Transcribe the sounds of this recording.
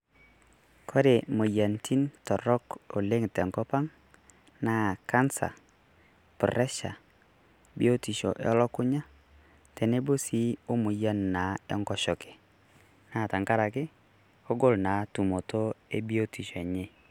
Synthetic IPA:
kʰɔ˦de˨mo˨ja˨ntʰi˦ntɔ˨ɾɔ˦ko˨le˦ŋtɛ˨ŋkɔ˦pa˦ŋ | na˦˨ka˦nsa̰˨ | pɔ˨ɾɛ˦ʃa̰˨ | bḭ˦o˦ti˨ʃɔ̰˨ʔḛ˦ɔ˦lɔ˦kʊ˦ɲa˦ | tɛ˨ne˦bo˦si˦o˦mu˨ja˦nːa˨˦ɛ̰˦ŋɡɔ˦ʃɔ˨kɪ̥˨ | na˦˨ta˨ŋka˦ɾa˨kɪ˦ | ɔ˦ɡɔ˦lna˨˦tu˨mo˨tʰo˦e˦bi˦o˦ti˨ʃo˨e˨ɲe˦

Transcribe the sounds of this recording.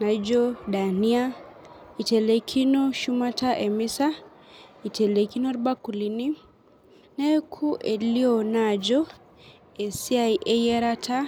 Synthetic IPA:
na˨id͡ʒɔ˦ɗa˨ni˦a˦ | i˨tɛ˨le˨kʰi˦no˦ʃu˦ma˦ta˦ʔɛ˨mi˦sa˦ | i˨tɛ˨le˨ki˦nɔ˦ɾba˦ku˨li˦ni˦ | nɛ˦kʰu˦ʔɛ˨li˦ɔ˨na˨d͡ʒɔ˦ | ɛ˨si˦a˨iʔɛ˦jɛ˦ɾa˦tʰa˦

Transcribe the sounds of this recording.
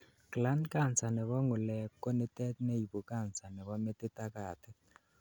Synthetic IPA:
kla˦nka˦˨nt͡sa˨nɛ˨kɔ˦ŋʊ˨lɛ˨kːɔ˦nɪ˦tɛ˦t̚nɛ˦i˨bu˨ka˦˨nsa˨nɛ˨kɔ˦me˦tɪ˦ta˦ka˨tɪ˦

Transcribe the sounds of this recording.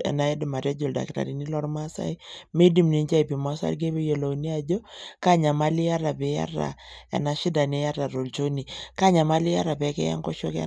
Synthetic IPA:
ɛ̰˨na˨˦jɛ˦dɪ˨ma˨ɾja˦d͡ʒo˨lda̰˨kta̰˨ɾi˨ni˦lɔ˦ɾma˦sa̰˦i˦me˦di˦mni˨nd͡ʒa˦i˨pi˨ma˦sa̰˦ɾɡe˦be˦jo˨lo˨ni˦a˨d͡ʒo˦ka˦ɲa˨ma˦li˦ja˦ɾa˨be˨˦ja̰˦ra̰˨ɛ̰˨na˨ʃi˦da˨ne˦ja˦ɾa˨ɾo˨lt͡ʃo˦ni˨ka˦ɲa˨ma˦li˦a˦ɾa˨pɛ˨kɛ̰˦ja̰˦ŋkɔ˦ʃɔ˦kɛ̰˦

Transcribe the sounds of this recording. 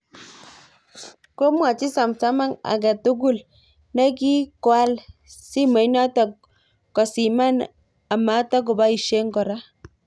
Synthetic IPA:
ko˦mwa˨t͡ʃi˦sa˨msa˦ma˦ŋa̰˨ɡa˨tu˦ɡʊ˦˨l | nɛ˦ki˦kwa˦lsi˦ma˨˦jna˦ta˨ | kɔ˨si˨ma˦n | a˨ma˨˦ta˦ɡ̬ʊ˨ba˦i˨ʃe˦ŋɡɔ˨ɾa˦

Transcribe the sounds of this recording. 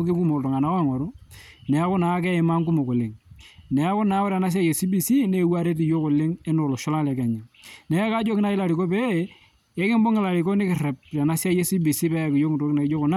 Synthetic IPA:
kɪ˦ŋɡu˦mo˨to˨ŋa˨na˦ɔ˦˨ŋɔ˨ɾʊ˦ | nɛ˨a˦kʊ˦na˨˦kɛ˦ɪ˨ma˦ŋku˦mo˨kʊ˨lɪ˨ŋnɛ˨a˦kʊ˦na˨˦o˦ɾa˨na˦s̬ja˦je˨si˦bi˨si˦ne˦wa˦ɾe˦t̬i˨jo˦kʊ˨lɪ˦ŋɪ˦nʊ˨lo˨ʃɔ˦la˦la˨ka˨ɲi˨nɛ˨a˦ka˦d͡ʒo˦kɪ˦na˦ɪ˦la˨ɾi˨ko˦pe˦˨˦ | e˦kɪ˦mbʊ˦ŋɪ˨la˨ɾi˨ko˦nɪ˦kɪ˨rɛ˨p̚te˨na˦sa˦je˦si˦bi˨si˦pɛ˦˨kɪ˨jo˦ŋ˨to˦kɪna˨ɪ˦d͡ʒo˦kʊ˨na˦

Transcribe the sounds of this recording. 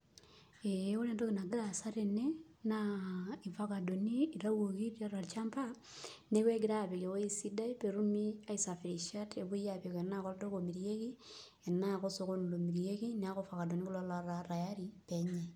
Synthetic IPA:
eo˦le˦ndo˦ki˨na˨ɡi˦ɾa˨sa˦ɾe˨ne˦ | nai˨fa˦ka˨do˨niː˦˨ɾa˦wo˨ki˦ɾa˦ɾa˨t͡ʃa˦mpa˦ | ne˦kwe˦ɡi˦ɾa˦˨pe˨ke˨ko˦i˦si˦da˦i˦pe˨ɾu˦mi˦a˦i˦sa˨fi˨ɾi˨ʃa˦te˨βu˦ja˨pe˨ke˨˦na˦ko˦ldo˦ko˨mi˨ɾie˦ki˦ | e˨na˦ko˦so˨ko˦nu˨lo˨mi˨ɾje˦ki˦nia˦kofa˨ka˨do˨ni˦ku˦lɔ˦la˨ɾa˨ɾa˨ja˦ɾipe˨ɲe˨

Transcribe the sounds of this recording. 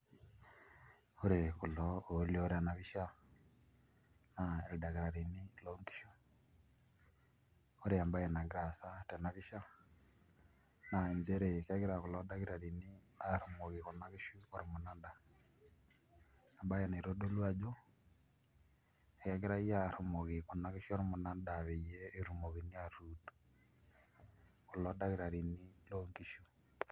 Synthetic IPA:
o˦ɾe˨ku˨lɔo˨e˦lo˦ɾe˦a˨na˨βi˦ʃa˦ | nae˨da˨ɣi˨ɾa˨ɾi˨ni˦lo˦ŋɡi̥˦ʃu˦ | oɾe˨a˨mba˦jɛ˨na˨ɡɾa˨sa˦tɛ˨na˨βi˦ʃa˦ | na˨e˨ɲd͡ʒe˦ɾe˨ka˦ɣeɾa˨ku˨lɔ˦da˦ɣi˦ɾa˨ɾi˨ni˦ | aɾo˨mo˨ɣe˨ko˨na˨˦ke˦ʃu˦o˦ɾi˨mo˨na˦nda˨ | a˨mba˦je˨ne˨ɾo˦do˦lwa˨d͡ʒo˦ | kɛ˦ɣe˦ɾa˦i˦ja˦ɾo˨mo˨ɣe˨ko˨na˨˦ke˦ʃu˦ɔ˦ɾi˦mo˨na˦nda˨βe˨jɛ˦e˦ɾu˨mo˨βi˨ni˦ja˦˨ɾu˦tu̥ | ko˨lɔ˦da˦ɣi˦ɾa˨ɾi˨ni˦loː˦ŋɡi˦ʃu˦

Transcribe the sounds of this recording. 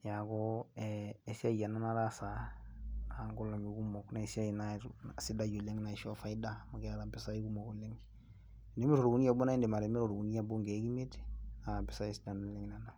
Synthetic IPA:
ja˨kɔɛe˨si˦a˦˨ja˨na˦na˦ɾa˦sa˨ | a˨ŋɡo˦la˨mi˨ku˦mɔ˨kna˨e˨si˦a˦jnasi˦da˦jo˨lɛ˦ŋna˨ʃɔ˦fa˦ida˦ma˨kɛ˦a˦ɾa˨bɛ˨sa˦i˦ku˦mɔ˨ko˨le˦ŋ˨ | nde˦me˦ɾo˨ɾu˨ku˦ni˦ja˨bɔ˦na˦e˦nde˨ma˨ɾe˨me˦ɾo˨ɾo˨ɡu˨ni˦ja˦bo˦ŋɡɛ˨˦ki˦me˦ta˨bɛ˨sa˦e˨si˦da˨nu˨lɛ˦ŋ˨na˨na˨

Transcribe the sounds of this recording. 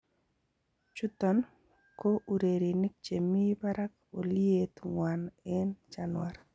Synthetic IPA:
t͡ʃu˦t̪ɔ˨n | ko˦ʔu˨ɾe˨ɾi˨ni˦k̚t͡ʃe˨mi˦ba˦ɾa˦k | o˨lie˦t̪ŋwanɛ˦nt͡ʃanwaɾ

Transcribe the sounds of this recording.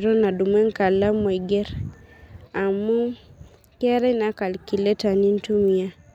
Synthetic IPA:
ɾɔ˦na˨du˨mwɛ˦ŋ˦ka˨la˦me˨ɡɛ˦ɾ | a˨mu˦ | kɛ˦ɾɛ˦na˨˦ka˨lki˨lɛ˦ta˨ni˦n˦tu˦mi˨a˦

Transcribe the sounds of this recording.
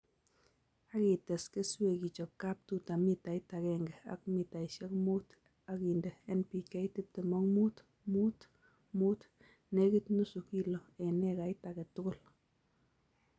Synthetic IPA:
a˦ki˨tɛ˨ske˦swe˨ki˨t͡ʃɔ˨p̚ka˦p̚tu˦ta˨mi˦ta˨ɪ˦ta˨kɛ˨ŋɡɛ˨a̰˨k̚mi˨ta˨i˨ʃe˦kmu˦t | a˦ki˨nde˨ɛ˦npi˨kɛ˦i˦ti˦p̚te˨mɔ˦ŋmuː˦t | muː˦t | mu˦t | ne˦ki˦tnu˦su˨ki˦lɔ˨e˨nɛ˦ka˨ɪ˦ta˨kɛ˨tʊ˦kʊ˦˨l

